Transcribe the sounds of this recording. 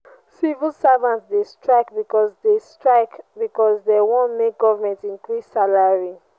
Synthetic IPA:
sivilsavãntsdestɹaɪkbikɔsdestɹaɪkbikɔsdewõnmek̚ɡɔvamɛ̃ntĩnkɹisːalaɹi

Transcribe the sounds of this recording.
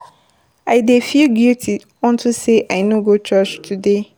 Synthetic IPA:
aɪdefilɡiltʰi | ɔ̃ntʰuseʔaɪnõɡot͡ʃɜt͡ʃtʰude

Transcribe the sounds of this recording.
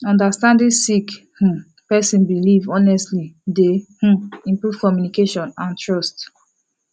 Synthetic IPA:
ɔ̃ndastãndĩsik | hũ | pɛsĩnbilivɔnɛstlidehũĩmpɹuv̥kɔmjunikeʃɔ̃nãntʰɹɔst

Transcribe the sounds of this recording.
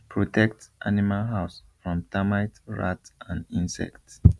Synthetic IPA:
pʰɹɔtʰɛk̚tʔanimalɦaʊsfɹɔ̃mtamaɪtɹa̰tãndĩnsɛ̰kt

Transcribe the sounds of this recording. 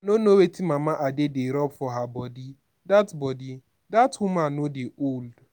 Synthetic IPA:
nonowetimamaʔadedeɾɔbfɔɦabɔdi | datbɔdi | dathʊmanodeʔold

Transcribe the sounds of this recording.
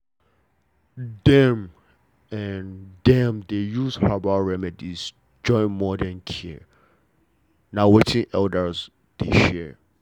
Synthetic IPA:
dɛ̃m | ɛndɛ̃mdejuzhabaɹɛmɛdiz̥ | d͡ʒɔ̃ɪ̃nmɔdɛ̃nkʰi | nawɛtɪ̃ŋʔɛldəz | d̥ḛʃɛ

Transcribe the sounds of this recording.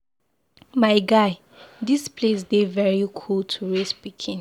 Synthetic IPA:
maɪɡaɪ | dispʰles̬devɛɹikʰultʰuɹespikʰĩn

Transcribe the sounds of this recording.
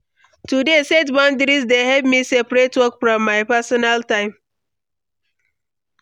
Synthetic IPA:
tudesetbɔ̃ndɾisdeɦɛvmisepɾetwɔkfɾɔ̃mːaɪpasɔnaltãɪ̃m

